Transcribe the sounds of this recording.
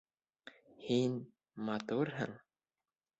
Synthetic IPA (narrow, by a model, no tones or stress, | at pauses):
hin | mɑt̪uɾɦɘ̰ŋ